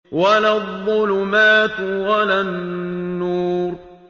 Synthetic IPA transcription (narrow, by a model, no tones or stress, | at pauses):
walaðˤːʊlʊmaːt̪walanː | uːɾ